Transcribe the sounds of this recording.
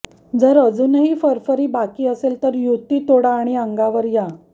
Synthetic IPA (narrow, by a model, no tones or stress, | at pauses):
d͡zəɾəd͡zuːnɦiːfəɾfəɾiːbakiːəselt̪əɾjut̪iːt̪oɽaːɽ̃iəŋɡaʋəɾja